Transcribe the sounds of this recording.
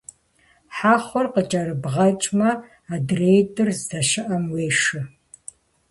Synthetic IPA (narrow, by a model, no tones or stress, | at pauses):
ħaːχʷɔrqət͡ʃʼɐɾɨbʁɐt͡ʃʼmɐ | aːdrejtʼɨrzzɐʃɪʔɐmweːʂɨ